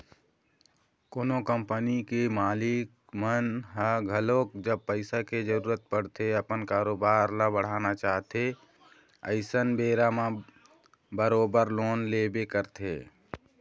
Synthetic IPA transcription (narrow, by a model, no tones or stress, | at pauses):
koːnokəmpənikemaːlɪk | mənɦəɡʱəloːk̚d͡ʒəb̚pəɪsaked͡ʒəɾuːɾət̪̚pəɽ̤t̪ʰeəpənkaːɾoːbaːɾlabəɽ̤aːnat͡ʃaːɦt̪e | ə̰ɪsənbeːɾamã | bəɾoːbəɾloːnlebekəɾt̪ḛ